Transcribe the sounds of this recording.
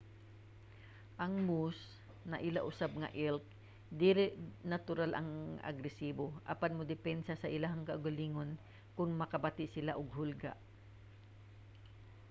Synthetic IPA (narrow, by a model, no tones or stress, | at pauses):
ʔɐŋmus | nɐʔɪla̰ʔʊsab̚ŋɐ̰ʔɪlk̚ | d̪iɾɪʔnat̪ʊɾalʔɐ̰ŋa̰ɡɾɛsiːboʔa̰panmʊd̪ɪpɛnsasɐʔɪlaɦaŋkaʔʊɡaliːŋon | kʊŋmɐkɐbat̪ɪʔsɪlaʔʊɡ̚ɦʊlɡa̰ʔ